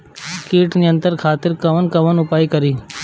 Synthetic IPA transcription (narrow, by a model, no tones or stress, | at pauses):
keːʈniːə̃nt̪əɾkʰaːt̪ɪɾkəʋənkəʋənʊpaːikəɾiː